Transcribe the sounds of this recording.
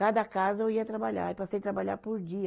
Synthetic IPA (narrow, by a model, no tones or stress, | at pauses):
kad̪ɐkazɐewiɐt̪ɾabaʎa̰ipasejt̪ɾabaʎa̰ɾpʊɾd͡ʒiɐ